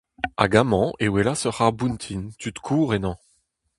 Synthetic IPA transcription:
a̰ɡamɑ̃ewelasœʁaʁbunt̪ʰint̪yt̪kʰuːʁenɑ̃

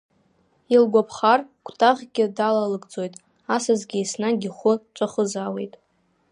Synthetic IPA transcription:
ilɡʷapʰχarkʷʰʼtʼaʁʲɡʲɪdalalɨɡt͡sʼo̞jtʼ | asazɡʲesnaɡʲiχʷʊt͡ʃʷʼaχəzawe̞̰jtʼ

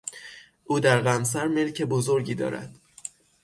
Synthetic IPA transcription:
ʔuːd̪æɾɣæms̬æɾme̞lcʰebozo̞ɾɟiːd̪ɒ̰ːɾæ̰d̪̥

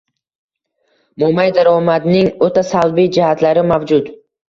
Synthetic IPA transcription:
momajd̪aɾɒmad̪nɪŋot̪ʰasalbijd͡ʒɪhat̪laɾɪmavd͡ʒʊt̪

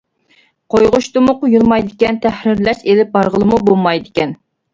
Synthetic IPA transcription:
qʰojʁʊʃt̪ɨmʊqʊjulˠmɑjd̪ɪkʲɛnt̪ʰæhɾɪɾlɛʃelɪp̚bɑɾʁəlˠɨmubomɑjd̪ɪkʲɛn

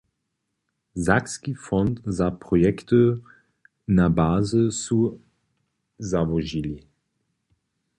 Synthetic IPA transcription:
zakskifɔntzapʁɔjɛkt̪ə | nabaːzəsu | zavɔʒili

